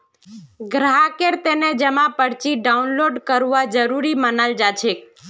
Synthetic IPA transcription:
ɡɾaɦakeɾt̪ened͡ʒəmãpəɽt͡ʃiɖaunloɖkəɾʋad͡ʒəɾuɾimənald͡ʒat͡ʃʰek

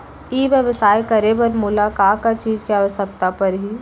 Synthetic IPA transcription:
iːʋjəʋsaːjkəɾebəɾmulakaːkat͡ʃiːd͡ʒkiaːʋəʃəkt̪apɐɾɦi

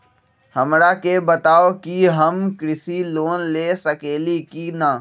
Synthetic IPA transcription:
hɐmɾakebət̪aːokiɦɐmkɾɪsiloːnleːsəkeːlikinaː

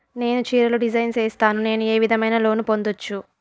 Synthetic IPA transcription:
ne̞ːnut͡ʃiːɾɐluɖid͡ʒɐjnseːst̪aːnune̞ːnue̞ːʋid̪ʱɐmɐjnɐlo̞ːnupo̞nd̪ot͡ʃːu

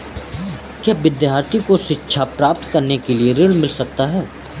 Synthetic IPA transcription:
kjaːʋɪd̪jaːɾt̪ikoʃɪtːʃʰapɾaːp̚t̪kɐɾnekelieɾɪɽmɪlsɐk̚t̪aɦɛː

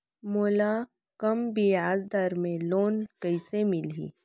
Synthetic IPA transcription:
moːla | kɐmbijaːzd̪əɾmẽloːnkəɪsemɪlḭː

